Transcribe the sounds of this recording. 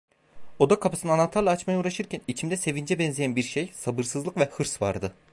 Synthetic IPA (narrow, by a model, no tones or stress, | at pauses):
o̞d̪akʰapɯsɯnanat̪ːˠaɾlˠaːt͡ʃmajauːɾaʃɯɾcʰænit͡ʃʰimd̪ɛse̞vind͡ʒɛbɛnzʲijænbiɾʃejsabɯɾsɯzlˠɯkvɛhɯɾsva̰ɾd̪ɯ